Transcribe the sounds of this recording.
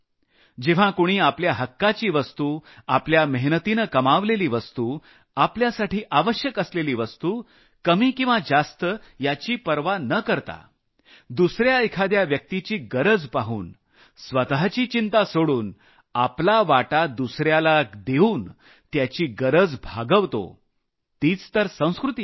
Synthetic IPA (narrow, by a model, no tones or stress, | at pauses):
d͡ʑeʋ̤ãkoɽ̃iːapljaɦəkːat͡ɕiːʋəst̪uːapljaməɦnət̪inəkəmaʋleliːʋəst̪uː | apljasaʈʰiːʔaʋəɕjəkəsleliːʋəst̪uː | kəmiːkĩʋad͡zast̪əjat͡ɕiːpəɾʋanəkəɾt̪a̰ | d̪usɾjaəjkʰad̪jaʋjək̚t̪it͡ɕiːɡəɾəd͡zpaɦuːn | sʋət̪ɦat͡ɕiːt͡ɕint̪asoɽuːn | aplaʋaʈad̪usɾjalad̪euːn | t̪jat͡ɕiːɡəɾəd͡zbʱaɡəʋt̪o̰ | t̪iːt͡st̪əɾsə̃w̃skɾut̪i